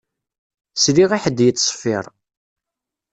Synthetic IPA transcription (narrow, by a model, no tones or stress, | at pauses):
sliʁiħəd̪ːjət͡sːsˤfːɪɾˤ